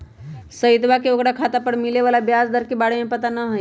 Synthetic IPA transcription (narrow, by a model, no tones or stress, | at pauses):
səit̪ʋakeokɽakʰat̪apəɾmileʋalabjasd̪əɾkebaɽemẽpət̪anəɦoj